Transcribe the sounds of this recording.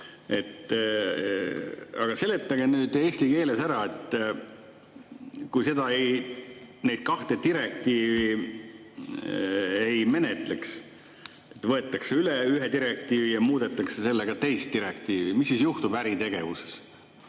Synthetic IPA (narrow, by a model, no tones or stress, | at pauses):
e̞t̪ˑ | ɑ̰ɡ̥ɑse̞let̪ːˑɑɡ̥e̞nyːd̪e̞ːsʲt̪ike̞ːle̞sæɾɑe̞t̪ːˑ | kujse̞d̪ɑej | nejd̪̥̚kɑht̪e̞t̪iɾe̞k̚t̪iːvi | ejme̞net̪ˑleks | et̪ːvɤ̞e̞t̪ːˑɑkseyleyɦed̪iɾek̚t̪iːvijɑmuːd̪̥et̪ːˑɑksese̞lːeɡ̥ɑt̪e̞jst̪ːiɾekt̪iːvimisːisjuht̪ubæɾit̪e̞ɡ̥e̞vuse̥s